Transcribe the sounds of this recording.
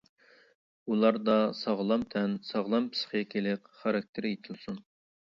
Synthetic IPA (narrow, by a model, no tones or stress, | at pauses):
ulˠɑɾd̪ɑsɑʁlˠɑmt̪ʰɛnsɑʁlˠɑmpʰɨ̥sχəkʲʰelɪqχɑɾɑk̚ʲt̪ʰɪɾjet̪ʰɪlˠsun